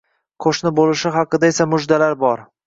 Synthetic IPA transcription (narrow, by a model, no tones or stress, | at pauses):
qʰoʃnɪbolɪʃɪɦɑqʰɨd̪aesamʊd͡ʒd̪alaɾbɒɾ